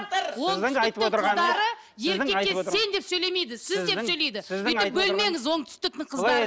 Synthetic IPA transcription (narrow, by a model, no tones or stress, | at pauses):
woɪɪjt̪əp̪ot̪əɾʁɑnd̪ɑɾə | je̞ɾɪeee̞nd̪e̞psɵjle̞me̞jd̪ɪsɪzd̪e̞sɵjle̞jd̪ɪsɪzd̪ʏɪp̚bɵlme̞ŋɪzwot̪ʰʏ̥st̪ɪk̚t̪ɪɴqʰəzɾ